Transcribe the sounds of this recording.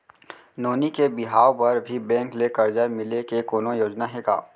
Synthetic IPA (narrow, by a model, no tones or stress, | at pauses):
noːnikebɪɦaːopɐɾbʱibɛ̃ːŋklekɐɾd͡ʒaːjmɪlekekoːnojoːd͡ʒnaɦeːɡa̰ː